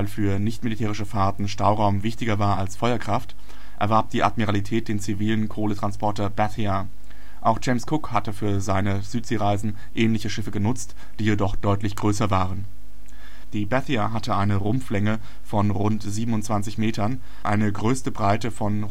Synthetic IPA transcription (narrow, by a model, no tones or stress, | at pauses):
aɪlfyːɐnɪçtmilitʰɛːʁ̞ɪʃəfaɐtn̩ʃtaʊʁaʊmvɪçtɪɡɐvaːɐalsfɔʏɐkʁ̥aft | ʔɛɐvɛɐp̚d̥iːʔadmiʁalitʰɛːt̚d̥eːnt͡siviːlənkʰoːlətʁ̥anspʰɔɐtɐbɛθia | ʔaʊxd͡ʒɛɪmskʰʊkhatəfyːɐzaɪnəz̥yːtz̥eːʁaɪzn̩ | ʔɛːnlɪçəʃɪfəɡənʊt͡st | d̥iːjedɔχd̥ɔʏtlɪçɡ̥ʁøːsɐvaːʁən | d̥iːbɛθiaɦatəʔaɪnəʁʊmflɛŋə | fɔnʁʊntz̥iːbm̩ʊntt͡sv̥ant͡sɪçmeːtɐn | ʔa̰ɪnəɡʁøːstəbʁaɪtəfɔn